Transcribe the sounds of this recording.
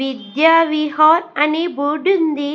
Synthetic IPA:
id̪jaːʋiɦoːɾɐnibuɖund̪i

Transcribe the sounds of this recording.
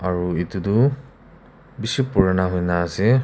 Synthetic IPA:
aɹuitudu | bisipuɹanaɦojnaːsi

